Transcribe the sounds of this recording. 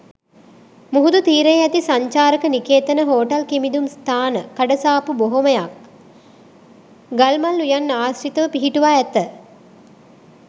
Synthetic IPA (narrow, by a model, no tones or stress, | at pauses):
muɦud̪ut̪iːɾəjɛt̪isaɲt͡ʃaːɾəkənikeːt̪ənəɦoːʈɐlkimid̪umst̪ʰaːnəkːaɖəsaːpuboɦoməjak̚ | ɡalmalːujanːaːsɾit̪əʋəpiɦiʈuʋaːɛt̪ə